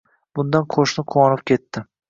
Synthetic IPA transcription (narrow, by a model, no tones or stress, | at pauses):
b̥ʊnd̪anqʰoʃnɪqʰʊwɒnɪpkʲʰe̞t̪ːɪ